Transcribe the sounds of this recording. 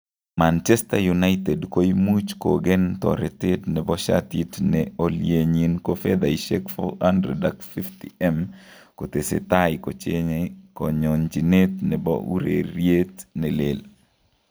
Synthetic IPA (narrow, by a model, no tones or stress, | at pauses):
mant͡ʃɛstajunaɪt̪ɛdkoimut͡ʃkoɡɛnt̪ɔ̰ɾɛtɪtnɛbɔʃa̰titnɛoljeɲinkofɛd̪aiʃɛkfɔ̰handɾɛdakfiftḭɛm | kot̪esḛt̪ajɪkot͡ʃeɲkɔɲɔɲd͡ʒinetnɛbɔ̰ṵɾḛɾjet̪nɛlel